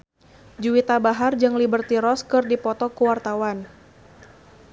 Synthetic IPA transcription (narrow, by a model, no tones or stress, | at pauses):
d͡ʒuwit̪abaɦard͡ʒɨŋlibərt̪iɾɔskɨrdipɔt̪ɔkuwart̪awan